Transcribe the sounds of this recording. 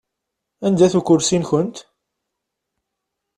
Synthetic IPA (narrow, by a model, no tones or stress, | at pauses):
ænd̪æθukʊɾsinçənt̪